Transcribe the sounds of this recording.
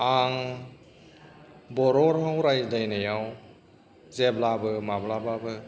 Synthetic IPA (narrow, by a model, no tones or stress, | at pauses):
aŋ | bɔɾɔɾhɔwɾajdajnajaw | zeblabɯmablababɯ